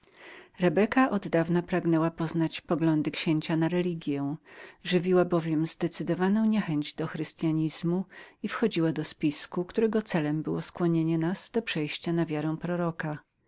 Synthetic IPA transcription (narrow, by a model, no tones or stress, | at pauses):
ɾɛbɛkaʔɔd̪ːavnapɾaɡnɛwapɔznat͡ɕpɔɡlɔnd̪ɘkɕeɲt͡ɕanaɾɛlʲiɡʲjɛ̃w̃ʐɘvʲiwabɔvʲjɛmzd̪ɛt̪sɘd̪ɔvanɔ̃w̃ɲɛxɛɲd͡ʑd̪ɔxɾɘst̪jaɲiz̥muifxɔd͡ʑiwad̪ɔspʲiskukt̪uɾɛɡɔt̪sɛlɛmbɘwɔskwɔɲeɲɛnaz̥d̪̥ɔpʂɛjɕt͡ɕanavʲjaɾɛw̃pɾɔɾɔka